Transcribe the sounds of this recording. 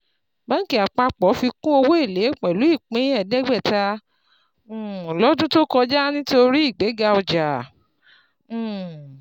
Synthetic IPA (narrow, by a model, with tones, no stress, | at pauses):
ba˦ŋ̩˦ki˨˦˨a˨k͡pa˧k͡pɔ˨˦fi˧kũ˦o˧wo˦e˦˨le˨˦˨k͡pɛ˨lu˨˦i˦˨k͡pĩ˨˦ɛ˨dɛ˦ɡ͡bɛ˦˨ta˧˨ | lɔ˨˦dũ˦to˦kɔ˧d͡ʒa˦nĩ˦to˧ɾi˦i˦˨ɡ͡be˨˦ɡa˧ɔ˧d͡ʒa˨˦˨